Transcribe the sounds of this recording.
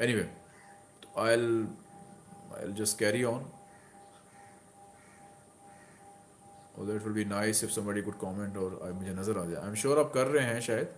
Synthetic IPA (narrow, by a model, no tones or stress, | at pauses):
ɛniʋeː | t̪o̥aɪl | a̰ɪld͡ʒɐskɛːɾiɔ̃ːn | ɔ̰ːd̪ɛɪʈʋɪlbiːnaɪsɪfsɐ̃mbɔːɖikʊɖ̚kɔːmɛ̃ɳʈɔːɾa̰mʊd͡ʒʱenɐzəɾaːd͡ʒa̰ːjã̰ɪ̃mʃuːɾaːp̚kɐɾːɐɦẽɦɛ̃ʃaːjəd̪